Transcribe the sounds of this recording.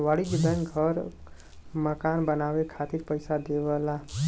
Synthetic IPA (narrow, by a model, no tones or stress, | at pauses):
ʋaɽid͡ʒid̪ənɡʱəɾ | məkanbənawekʰat̪iɾpəjsad̪ebəla